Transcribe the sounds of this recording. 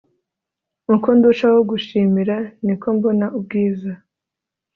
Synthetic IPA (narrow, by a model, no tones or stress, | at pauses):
uŋkonduʃawoɡuʃiːmiɾaniko̞mbo̞naub̚ɡiːza